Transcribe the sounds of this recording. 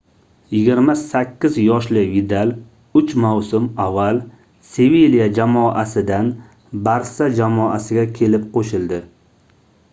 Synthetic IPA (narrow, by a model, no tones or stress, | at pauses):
jɪɡʲɪɾmasakʲʰːɪzjɒʃlɪvid̪al | ʊt͡ʃmawsʊmavːal | sevelijad͡ʒamɒʔasɪd̪an | baɾsad͡ʒamɒasɪɡʲakʲʰe̞lɪp̚qʰoʃɪlˠd̪ɪ